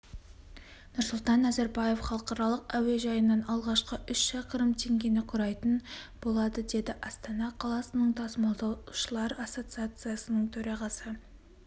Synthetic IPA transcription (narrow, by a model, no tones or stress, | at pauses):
nʊɾsʊlˠt̪ɑnæzæɾbɑje̞fχɑlˠəqɑɾɑlˠəqæwe̞ʒɑjənːɑnɑlˠʁɑʃqəʔʏʃʃɑqəɾəmt̪ʰe̞ŋɡʲe̞nɪqʰʊɾɑjt̪ənbo̞lˠɑd̪əd̪e̞d̪ɪʔɑst̪ɑnɑqʰɑlˠɑsənəɴt̪ʰɑsmɑlˠd̪ɑʃəlˠɑɾɑso̞t̪sɨat̪sɨjasənəɴt̪ʰɵɾɑʁɑsə